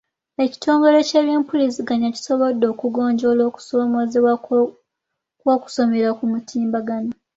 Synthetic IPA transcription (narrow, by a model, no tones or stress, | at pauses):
e̞ci̥tʰo̞ːŋɡo̞ɾe̞ceːβeːmpulisiɡaɲaci̥so̞βo̞dːo̞ːkuɡo̞ːɲɟo̞lo̞ːku̥somozewa | kwo̞ːku̥so̞meɾakumutʰiːmbaɡano